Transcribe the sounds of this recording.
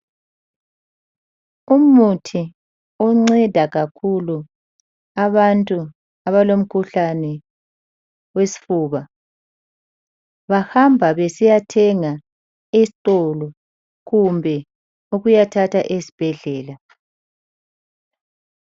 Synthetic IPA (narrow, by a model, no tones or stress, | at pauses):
umutʰi | ɔŋ͡ǀɛd̥ʱaɣakʰulu | aβantʼu | aβalom̩kʰuɬanɛ | wesi̥fuːβa | βahambʱaβesijatʰɛŋa | esitʼɔlɔ | ɣumbʱɛ | uɣujatʰatʰaʔesi̥b̥ʱɛɮɛːla